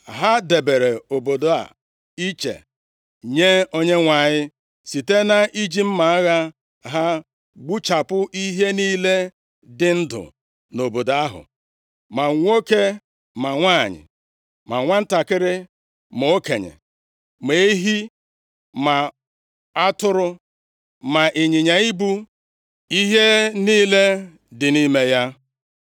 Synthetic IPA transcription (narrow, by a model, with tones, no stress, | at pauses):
ɦa˦de˨be˨ɾe˨o˨bo˨do˨a̰˨ | i˦t͡ʃḛ˨ | ɲe˦o˦ɲe˦ŋʷa˨ɲɪ˦ | si˨te˦na˦ʔi˦d͡ʒi˦m̩˦ma˨a˦ɣa˦ | ɦa˦ | ɡ͡bu˦t͡ʃa˨pʊ˦ʔi˦ɦe˦niː˦le˦ | dɪ˦n̩˦dʊ̰˨ | no˨bo˨da˦ɦʊ̰˨ | ma˨ŋʷo˦ke˦ | ma˨ŋʷa˦˨ɲɪ̰˨ | ma̰˨ŋʷa˦n̩˦ta˨kɪ˦ɾɪ˦ | mo˨o˦ke˨ɲḛ˨ | me˨˦ɦi˦ | ma˨ | a˦tʊ˦ɾʊ˦ | ma˨ʔɪ˨ɲɪ˨ɲa˨i˦bu˦ | i˦ɦe˦niː˦le˦ | dɪ˨ni˦me˦ja˦